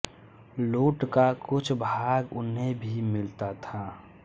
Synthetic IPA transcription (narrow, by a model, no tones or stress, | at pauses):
loːʈkakʊt͡ʃʰbʱaːɡʊnɦebʱimɪlt̪at̪ʰa